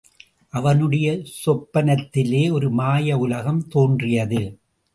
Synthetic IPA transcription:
ʔɐʋɐnɯɽɐjɐsɔpːɐnɐt̪ːɪleːɔɾɯmaːjɐʊlɐɣɐmt̪oːndrɪjɐðɯ

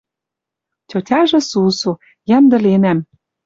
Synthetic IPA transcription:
tʲotʲɑʒɤ̆susu | jæmd̪ə̆lenæm

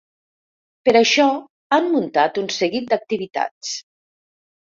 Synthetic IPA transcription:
pəɾəʃɔ | anmunt̪at̪unsəɣit̪̚d̪ak̚t̪iβit̪a̰t͡s

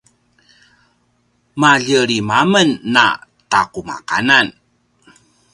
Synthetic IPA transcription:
maɮəɾimamənːa̰ | t̪akuma̰ka̰nan

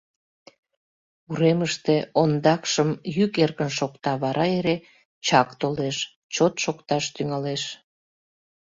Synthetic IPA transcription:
uɾeməʃt̪eond̪ɑkʃəmjykerɣənʃokt̪ɑβɑɾʔɑeɾe | t͡ɕɑkt̪oleʃ | t͡ɕot̪ʃokt̪ɑʃt̪yŋɑleʃ

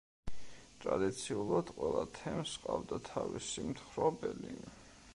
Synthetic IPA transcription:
t̪ʼɾad̪it̪sʰiulˠad̪̥qʼwɛlˠat̪ʰɛmsqʼavd̪at̪ʰavisimt̪χɾɔbɛli

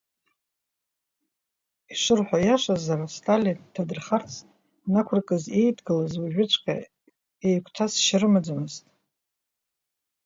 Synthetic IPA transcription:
iʂɨrħʷajaʂazarastʼalʲitʰadɨrχart͡sʰ | nakʷʰrkʼɨze̞jdʰɡɨlazwaʒᶣʊt͡ʃʷʰʼkʲʼa̰ | ejkʷʰtʰasʃarɨmad͡zamɨztʼ

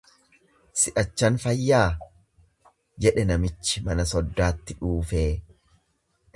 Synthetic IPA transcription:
sɪʔɐt͡ʃːɐnfɐjːaː | d͡ʒɛᶑɛnɐmɪt͡ʃːɪmɐnɐsɔd̪ːaːt̪ːɪᶑuːfeː

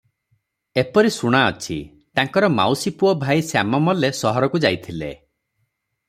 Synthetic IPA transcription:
epɔɾisuɽ̃aɔt͡ʃʰḭ | t̪aŋkɔɾɔma̰wsipuɔbʱajsamamɔlesɔɦɔɾɔkud͡ʒajt̪ʰilḛ

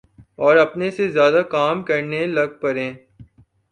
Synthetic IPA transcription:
ɔːɾɐpnesezjaːd̪akaːmkɐɾnelɐɡ̚pɐɾẽː

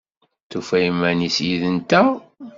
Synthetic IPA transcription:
θufæjəmːænisjiðənt̪æ

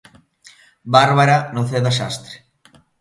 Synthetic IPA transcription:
baɾβaɾanõŋθeðaʃ̬ast̪ɾe̥

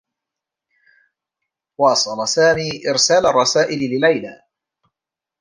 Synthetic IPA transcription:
wɑːsˤɑlɑsaːmiːʔɪɾsaːlarˤːɑsaːʔɪlɪlɪlːajla

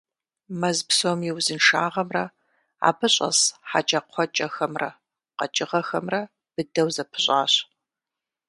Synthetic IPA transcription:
mɐzpsomjɪwzɨnʂaːʁɐmrɐ | a̰ːpʰɨɕʼɐ̰sħat͡ʃʼɐqʷʰɔt͡ʃʼɐxɐmrɐ̰ | qɐt͡ʃʼɪʁɐxɐmrɐ | b̥ɨdɐwzɐpʰɨ̥ɕʷʼaːɕ

